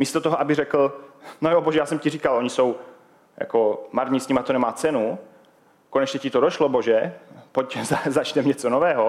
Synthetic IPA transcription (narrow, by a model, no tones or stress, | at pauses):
miːst̪ot̪oɦoʔabɪrɛkl̩nojoboʒɛjaːsɛmciriːkalʔo̞ɲiso̞w | ja̰komaɾɲisɲimat̪onɛmaːt͡sɛnu | konɛt͡ʃɲɛcɪt̪odoʃloboʒɛpoczazat͡ʃnɛmɲɛt͡sonovɛːɦo